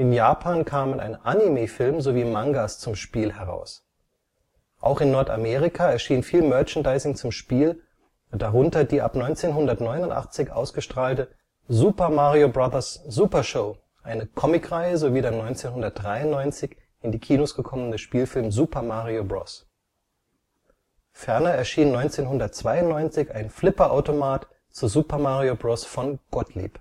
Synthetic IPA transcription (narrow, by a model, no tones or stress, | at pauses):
ʔɪnjaːpʰaːnkʰaːmənʔa̰ɪnʔanimefɪlmzoviːmaŋɡast͡sʊmʃpiːlɦɛʁa̰ʊs | ʔa̰ʊxɪnːɔɐta̰meːʁɪkʰaɛɐʃiːnfiːlmœɐt͡ʃəndaɪsɪŋt͡sʊmʃpiːl | ʊd̥aʁʊntɐdiːʔa̰pnɔʏnt͡seːnɦʊndɐtnɔʏnʊntʔa̰χt͡sɪçʔa̰ʊsɡ̥əʃtʁ̥aːltə | zuːpɐmaʁiobʁaðɐszuːpɐʃoʊ | ʔaɪnəkʰɔmɪkʁaɪəzoviːdeɐnɔʏnt͡seːnɦʊndɐt̚d̥ʁaɪʊnnːɔʏnt͡sɪç | ʔɪndiːkʰiːnosɡ̥əkʰɔmənəʃpiːlfɪlmzuːpɐmaʁiobʁɔ̰s | fɛɐnɐɛɐʃiːnnːɔʏnt͡seːnɦʊndɐtt͡sv̥aɪʊnnɔʏnt͡sɪçaɪnflɪpɐʔaʊtomaːt | t͡suːɐzuːpɐmaːʁiobʁɔsfɔnɡ̥ɔtʰlḭːp